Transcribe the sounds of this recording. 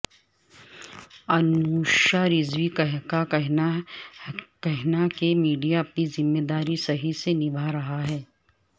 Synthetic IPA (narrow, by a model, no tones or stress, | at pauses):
ɐnuːʃaɾɪzʋikkaɦ | kɛɦnakemiːɖijaɐpnizɪmːeːd̪aːɾisɐɦisenɪbʱaɾɐɦaɦɛː